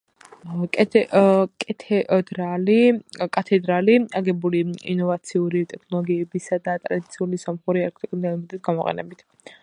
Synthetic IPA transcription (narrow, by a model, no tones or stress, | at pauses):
kʼʰ | kʼɛt̪ʰɛd̪ɾalikʼat̪ʰɛd̪ɾaliaɡɛbuliḭnɔvat̪sʰiuɾit̪ʼɛkʰnɔlˠɔɡiɛbisad̪at̪ʼɾad̪it̪sʰiulisamχuɾialk̚ʰt̪ʰʼikʼund̪anmd̪it̪ɡamɔqʼɛ̰nɛ̰bit̪ʰ